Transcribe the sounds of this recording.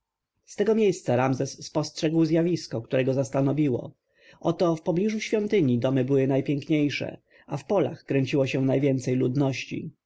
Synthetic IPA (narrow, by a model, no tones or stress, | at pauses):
st̪ɛɡɔmʲjejst̪saɾamzɛsːpɔstʂɛɡwzʲjavʲiskɔkt̪uɾɛɡɔzast̪anɔvʲiwɔ̰ | ʔɔt̪ɔfpɔblʲiʐuɕfʲjɔnt̪ɘɲid̪ɔmɘbɘwɘnajpʲjɛŋkɲejʂɛ̰ | afpɔla̰xkɾɛɲt͡ɕiwɔɕɛnajvʲjɛnt̪sɛjlud̪nɔɕt͡ɕḭ